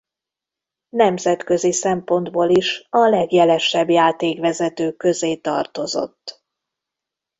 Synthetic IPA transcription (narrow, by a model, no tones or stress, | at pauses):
nɛmzɛt̪kø̞zisɛmpo̞nd̪boːliʃɒlɛɡjɛlɛʃɛbjaːt̪eːkʋɛzɛt̪øːkø̞zeːt̪ɒ̰rt̪o̞zo̞̰t̪ː